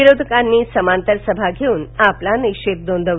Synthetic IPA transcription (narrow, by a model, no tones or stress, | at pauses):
iɾod̪ʱkanːiːsəmant̪əɾsəbʱaɡʱeuːnaplanikɕet̪̚d̪ond̪ʱəʋ